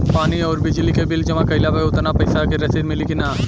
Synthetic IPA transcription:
paːniɔːɾbɪd͡ʒlikebɪld͡ʒɐmakɐɪlapeʊt̪napɐɪsakeɾɐseɾmɪlikɪnaː

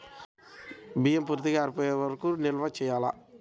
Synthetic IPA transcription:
biːjempuːɾt̪ikɐːɾpɔːjeʋɐɾkunilʋat͡ʃɛːjaːla̰

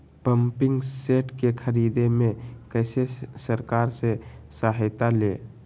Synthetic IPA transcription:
pəmpɪ̃ŋɡseːʈkekʰəɾiːd̪emẽkəɪsesəɾkaːɾsesaːɦɪt̪aleː

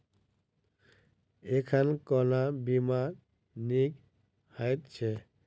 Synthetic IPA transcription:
ekʰankɔnabimaɾ | nik | hajt̪t͡ʃʰe

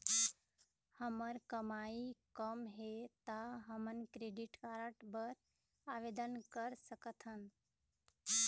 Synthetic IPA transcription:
həməɾkəmaikəmɦet̪aɦəmənkɾeɖiʈkaɾəʈbəɾ | aʋed̪ənkəɾsəkət̪ʰɦən

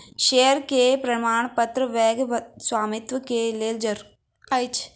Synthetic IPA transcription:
ʃeːəɾkepɾɐmaːɳpɐt̪ɾəʋɛːɡʋswaːmɪt̪ʋəkeleːld͡ʒəɾ | ɐjt͡ʃʰ

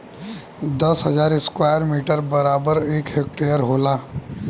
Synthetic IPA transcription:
d̪ɐsɦəd͡ʒaːɾɪskwaːjəɾmiːʈəɾbəɾaːbəɾeːkɦek̚ʈejəɾɦoːlaː

